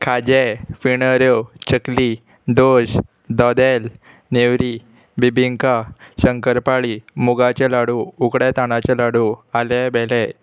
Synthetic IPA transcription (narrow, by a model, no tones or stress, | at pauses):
kʰad͡ʑefiɳəɾjot͡ɕəkli | d̪oɕ | d̪ɔd̪el | newɾi | bibʱiŋkaɕəŋkəɾpaɭimuɡat͡ɕelaɽuukɽɛt̪aɽ̃at͡ɕelaɽualɛbɛlɛ